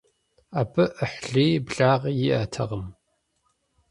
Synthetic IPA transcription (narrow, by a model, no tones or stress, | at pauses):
aːbʰɨʔəħɮiːbɮaːʁjɪʔɐtʰɐ̰ʁəm